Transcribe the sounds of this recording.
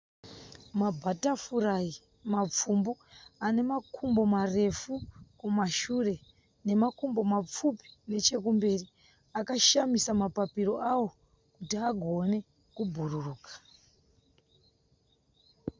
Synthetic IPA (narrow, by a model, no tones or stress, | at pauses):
mabʱatafurai | map͡fumbuane̞makʰumbo̞mare̞fukumaʃuːre̞ | ne̞makumbo̞map͡fupi̥ne̞t͡ʃe̞k̬umbe̞ːri | akaʃamisamapapiɾo̞ʔawo̞ | kutiaɡʱo̞ne̞ | kubʱururuːkḁ